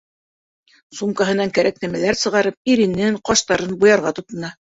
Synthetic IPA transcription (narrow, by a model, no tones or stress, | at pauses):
sumkɑɦɤ̆nɑŋkæɾæknæmælæɾsɤ̆ʁɑɾɤp̚iɾinːɘŋqɑʃt̪ɑɾɤnbujɑɾʁɑt̪ŏt̪ɤ̆nɑ